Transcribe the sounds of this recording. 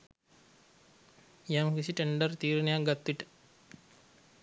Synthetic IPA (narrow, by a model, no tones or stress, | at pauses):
jamkisiʈeɳɖərt̪iːɾinejak̚ɡat̪ːuiʈə̥